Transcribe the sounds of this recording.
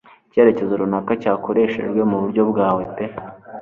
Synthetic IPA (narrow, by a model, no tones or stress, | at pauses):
ce̞ːɾe̞ce̞zuɾunakacaːko̞ɾe̞ːʃḛʒɡwe̞muβuɾɟo̞bɡaːwe̞pe